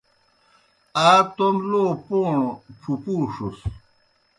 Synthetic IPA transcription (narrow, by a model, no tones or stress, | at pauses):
aːt̪omloːpoːɳoʈ͡ʂʰupuːʂus